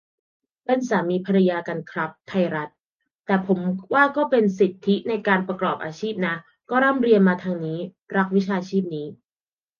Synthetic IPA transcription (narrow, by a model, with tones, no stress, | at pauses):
pa˧nsaː˩˦miː˧pʰa˧ɾa˧jaː˧ka˧nkʰɾa˦˥p̚t̪ʰːa˧jɾa˦˥t̪̚ː | ɛː˨˩pʰo˩˦mwaː˥˩kɔː˥˩pe˧nsi˨˩t̪ʰːi˦˥na˧jkaː˧npɾa˧klɔː˨˩p̚ʔaː˧t͡ɕʰiː˥˩p̚na˦˥ | kɔː˥˩ɾa˥˩mɾi˧ənmaː˧t̪ʰaː˧ŋniː˦˥ | ɾa˦˥k̚wi˦˥t͡ɕʰaː˧t͡ɕʰiː˥˩p̚niː˦˥